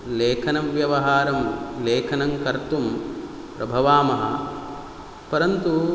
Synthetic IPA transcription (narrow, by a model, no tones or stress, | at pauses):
leːkʰɐnɐmʋjɐʋɐɦaːɾɐmleːkʰɐnɐŋkɐɾt̪um | pɾɐbʱɐʋaːmɐɦɐ̰ | pɐɾɐnt̪u